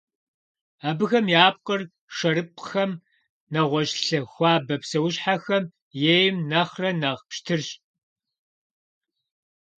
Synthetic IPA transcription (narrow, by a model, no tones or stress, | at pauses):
aːbɨxɐmjaːp̚qər | ʂɐɾɨp̚ʼxɐm | nɐʁʷɔɕɬɐxʷɑːbɐpsɐwʊɕħaxɐm | jeːjmnɐχrɐnɐʁpʃtʰɨrɕʼ